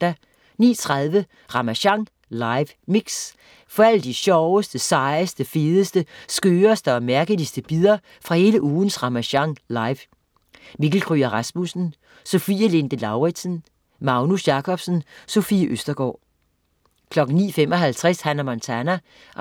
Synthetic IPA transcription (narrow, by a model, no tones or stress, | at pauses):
d̥æ | nḭːt͡sʰʁɑðˠʋə | ʁɑ̈mæɕɑ̈ŋ | lɑ̈ɪʋ | miɡ̥s | fɒ̽æləd̥iɕɒʊəsd̥əsɑ̈ɪəsd̥əfeːðˠəsd̥əsɡ̥øːɐsd̥əɒ̽mæɐɡ̥əlisd̥əb̥iðˠɐ | fʁɑ̈he̝ːləʔuːn̩sʁɑ̈mæɕɑ̈ŋlɑ̈ɪʋ | miɡ̥l̩kʰʁyɐʁɑsmusn̩ | so̝fiːəle̝nd̥əlɑ̈ʊʁi̥sən | mɑ̈ʊnusjɑ̈kʰɒ̽b̥sn̩sofḭʔøsd̥ɐɡ̥ɒ̰ː | kʰlɒ̽ɡ̥n̩nḭːfemɒ̽ɦælt͡sʰʁɛshænæmɒnt͡sʰænæ